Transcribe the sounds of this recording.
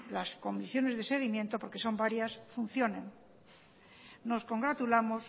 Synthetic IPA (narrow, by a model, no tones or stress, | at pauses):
lasko̞misjo̞ne̞zðese̞ɣ̞imje̞nt̪o̞po̞ɾke̞so̞mbaɾjasfun̟θjo̞nen | no̞sko̞ŋɡɾat̪ulamo̞s